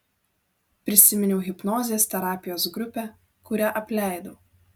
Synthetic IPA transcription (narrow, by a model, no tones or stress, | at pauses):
pʲɾʲɪsʲɪmʲɪnʲɛʊɣʲɪpnɔːzʲeːst̪ʲɛɾɑːpʲɪjoːsɡɾʊpʲɛ | kʊɾʲæʔɐpʲlʲæˑɪd̪oː